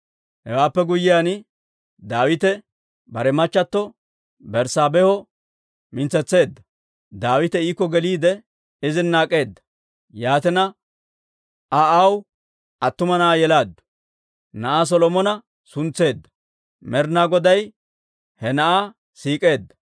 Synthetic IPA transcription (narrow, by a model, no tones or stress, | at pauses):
hɛwaːpːɛɡʊjːɪjaːn | d̪aːwɪt̪ɛ | bɐɾɛmɐt͡ʃːɐt̪ːɔ | bɛɾsaːbɛhɔ | mɪnt͡sɛt͡sːe̞ːd̪ːɐ | d̪aːwɪt̪ɛiːkːɔɡɛliːd̪ɛ | ɪzɪnːaːkʼːe̞ːd̪ːɐ̥ | jaːt̪ɛnɐ | ʔaɐw | ɐt̪ːʊmɐnɐʔajɛlaːd̪ːʊ̥ | nɐʔaːs̬ɔlɔmɔnɐ | sʊnt͡sːe̞ːd̪ːɐ̥ | mɛɾnaɡɔd̪ɐj | hɛnɐʔa | siːkʼe̞ːd̪ːɐ̥